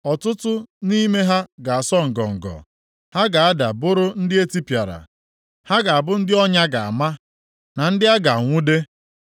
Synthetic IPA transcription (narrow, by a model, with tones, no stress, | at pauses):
ɔ˨tʊ˦tʊ˦ni˦me˦ɦa˦ɡa˨a˨sɔ˦ŋ̩˨ɡɔ˨ŋ̩˨ɡɔ̰˨ | ha˦ɡa˨a˦da̰˨bʊ˦ɾʊ˦n̩˦dɪ˦e˦ti˦pja˨ɾa̰˨ | ha˦ɡa˨a˨bʊ˦n̩˦dɪ˦ɔ˦ɲa˦ɡa˨a̰˨ma˦ | na˨n̩˦dɪ˦a˦ɡa˨ŋʷʊ˦de˦